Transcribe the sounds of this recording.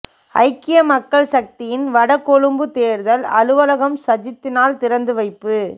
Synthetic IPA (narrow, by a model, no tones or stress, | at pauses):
ɐ̰ɪkːɪjɐmɐkːɐɭsɐk̚t̪ɪjɪnʋɐɽɐkːɔɻɯmbɯt̪eːɾðɐlɐɻɯʋɐlɐɣɐmsɐd͡ʒɪt̪ːɪnaːlt̪ɪɾɐnd̪ɯʋɐɪpːɯ